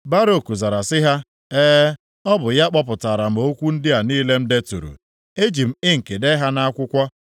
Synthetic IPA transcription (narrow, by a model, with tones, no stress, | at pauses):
ba˦ɾo˨ku˨za˨ɾa˨sɪ˦ɦa˦ | eː˦ | ɔ˦bʊ˨ja˦k͡pɔ˦p̬ʊ˨ta˨ɾa˨m̩˨o˦kʷu˦n̩˦dɪ˦a˨niː˦le˦m̩˦de˦tṵ˨ɾṵ˨ | e˦d͡ʒi˨m̩˦ɪ˦ŋ̩˨ke˨de˦ɦa˦na˦a˦kʷʊ˦kʷɔ˦